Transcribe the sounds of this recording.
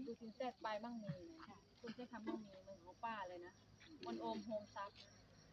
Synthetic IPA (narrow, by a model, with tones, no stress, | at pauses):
duː˧˩t̪ʰi˨˦ŋsɛː˧˩t̪̚paː˧jmaː˧˥˨ŋmiː˧˩˨na˧˩˧ | kʰu˧˥˨nt͡ɕʰa˧˥˨t̪ʰa˧mːaː˧˥˨ŋmiː˧mɯ˧˩ŋkʰa˨˦wpaː˧˥˩lɤː˧˩jna˧˦˥ | mo˧˥˨nʔoː˧mɦoː˧ŋsa˧˥p̚